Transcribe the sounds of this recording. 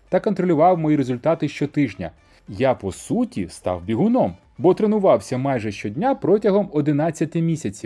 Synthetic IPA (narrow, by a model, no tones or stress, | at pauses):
t̪ɐkɔnt̪ɾɔlʲʊʋɑwmɔjiɾezʊlʲt̪ɑt̪ɪʃt͡ʃɔt̪ɪʒnʲɐ̰ | japɔsutʲḭst̪ɑ̰wbʲiɦʊnɔm | bɔt̪ɾenʊʋɑwsʲɐmɑjʒɛʃt͡ʃɔdʲnʲapɾɔtʲɐɦɔmɔd̪ɪnɑt͡sʲːɐt̪ɪmʲisʲɐt͡sʲiw